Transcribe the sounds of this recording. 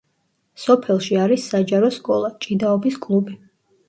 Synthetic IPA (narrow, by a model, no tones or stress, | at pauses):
sɔpʰɛlˠʃiaɾisːad͡ʒaɾɔskʼɔlˠat͡ʃʼid̪aɔbiskʼlˠubi